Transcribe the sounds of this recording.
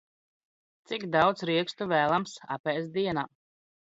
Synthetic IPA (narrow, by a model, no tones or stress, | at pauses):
t̪siɡd̪awd̪sɾiɛkst̪uvæːlˠamsa̰pɛːsd̪iɛnaː